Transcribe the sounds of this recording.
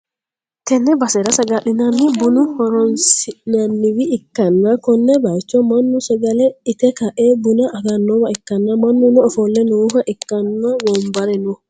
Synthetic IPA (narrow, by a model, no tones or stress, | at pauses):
t̪ɛnːɛbɐsɛɾɐsɐɡaɗɪnanːɪbunʊhɔɾɔnsɪnanːɪwiʔːkːɐnːakɔnːɛbaɪt͡ʃːɔmɐnːusɐɡɐlɛɪt̪ɛkaʔɛbʊnaʔːɡanːɔwaɪkːɐnːamanːunɔːfɔlːɛnɔɦaʔɪkːɐnːawɔmbɐɾɛnɔ